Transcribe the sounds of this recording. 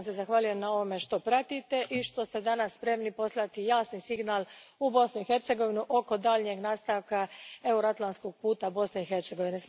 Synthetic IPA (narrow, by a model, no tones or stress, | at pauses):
nsezaxʋaːluje̞mnao̞ʋome̞ʃt̪o̞pɾat̪it̪e̞ʔiʃt̪o̞st̪e̞d̪anasːpɾe̞mnipo̞slˠat̪ijaːsnisiɡnaːlubo̞snuixe̞ɾt̪se̞ɡo̞ʋinuʔo̞ko̞d̪aʎɲe̞ɡnaːst̪aʋkae̞uɾoat̪lˠansko̞ɡ̚puːt̪abo̞sne̞ixe̞ɾt̪seɡo̞ʋines